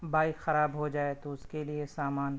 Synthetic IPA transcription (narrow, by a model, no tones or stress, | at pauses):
baːɪkxɐɾaːbɦod͡ʒaːet̪oʊskeliesaːmaːn